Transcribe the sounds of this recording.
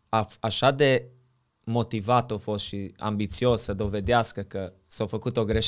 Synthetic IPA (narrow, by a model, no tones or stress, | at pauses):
aaʃad̪e̞ | mo̞t̪ivat̪owfo̞st̪ʃia̰mbit̪sio̞ssəd̪o̞ve̞d̪easkəkə | sawfəkut̪o̞ɡɾe̞ʃ